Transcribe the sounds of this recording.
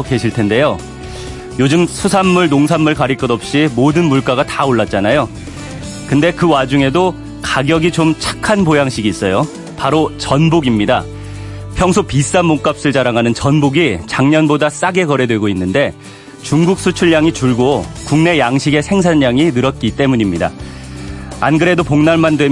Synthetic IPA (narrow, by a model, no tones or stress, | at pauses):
ke̞ɕʰiɭtʰe̞nde̞jo | jod͡ʑɯmsʰusʰamːuɭnoŋsʰamːuɭkaɾik͈ʌdʌp̚ɕ͈imodɯnmuɭk͈aɡataoɭːat̚t͡ɕ͈anajo | kɯnde̞kɯwad͡ʑuŋe̞do | kaɡjʌɡit͡ɕomt͡ɕʰḁkʰanpojaŋɕʰiɡiːs͈ʌjo | paɾot͡ɕʌnboɡimɲida | pʰjʌŋsʰopis͈amːoŋk͈ap̚s͈ɯɭt͡ɕaɾaŋɦanɯnt͡ɕʌnboɡit͡ɕaŋɲʌnbodas͈aɡe̞kʌɾe̞dwe̞ɡoinːɯnde̞ | t͡ɕuŋɡuk̚s͈ʰut͡ɕʰuɭjaŋit͡ɕuɭɡokuŋne̞jaŋɕʰiɡe̞sʰe̞ŋsʰaɲːaŋinɯɾʌt̚k͈it͈e̞muɲimɲida̰ | anɡɯɾe̞dopoŋnaɭmandwe̞